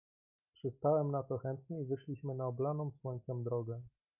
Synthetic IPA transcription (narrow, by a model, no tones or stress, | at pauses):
pʂɘst̪awɛmnat̪ɔxɛnt̪ɲɛivɘʂlʲiɕmɘnaɔblanɔ̃w̃swɔɲt̪sɛmd̪ɾɔɡɛ